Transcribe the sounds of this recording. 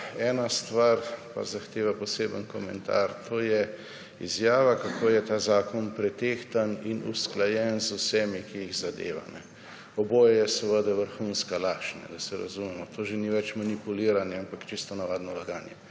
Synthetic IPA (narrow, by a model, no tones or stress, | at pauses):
ɛːnast̪ʋaɾpa̰zaxt̪eːʋapɔseːbənkɔmɛ̰nt̪a̰ɾt̪ʰoːjɛ | ḭzjaːʋakakʰoːjɛt̪aːzaːkɔnpɾɛt̪eːxt̪aninṵsklajɛnzusɛmikijiɣzad̪ḛːʋa̰nɛ̰ | ɔboːjajɛsɛʋəd̪ɛʋəɾxunskalaʃnɛ̰d̪asɛɾa̰zumɛmɔt̪ʰoːʒeniʋɛt͡ʃmanipuliːɾanjɛampakt͡ʃist̪ɔnaʋad̪nɔlaɡaːnjɛ